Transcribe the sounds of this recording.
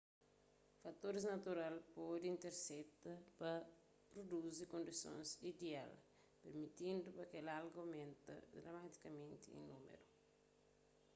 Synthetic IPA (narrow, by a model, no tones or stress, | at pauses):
fɐt̪oɾiznɐt̪uɾalpɔd̪ĩnt̪eɾsɛt̪ɐpɐ | pɾod̪uzikõnd̪isõ̰nzid̪ea̰l | peɾmit̪ĩnd̪upɐkelalɡomẽnt̪ɐ̰d̪ɾamat̪i̥kɐmẽnt̪ḭḭ̃numḛɾu